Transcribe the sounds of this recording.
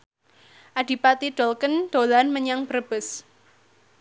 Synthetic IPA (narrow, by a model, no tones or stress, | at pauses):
ʔaɖ̥i̤pat̪iɖ̥ɔlkənd̪̥o̤lanməɲaŋb̥ərəb̥ə̤s